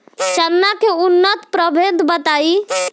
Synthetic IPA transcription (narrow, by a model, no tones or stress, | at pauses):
t͡ʃənːakeunːət̪pɾəbʱed̪bət̪ai